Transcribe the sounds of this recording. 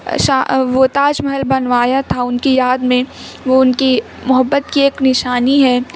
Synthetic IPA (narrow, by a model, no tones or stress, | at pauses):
ʃaʋoːt̪aːd͡ʒmɐɦəlbɐnʋaːjat̪ʰaʊnkijaːd̪mẽ | ʋoʊnki | mʊɦəbːət̪kieːknɪʃaːniɦɛː